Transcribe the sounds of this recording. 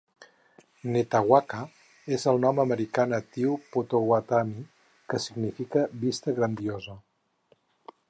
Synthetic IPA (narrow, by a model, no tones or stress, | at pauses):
net̪aɣwakə | ezəlˠnɔməməɾikanət̪iwpot̪owat̪ami | kəsiɡnifikəβist̪əɣɾənd̪iozə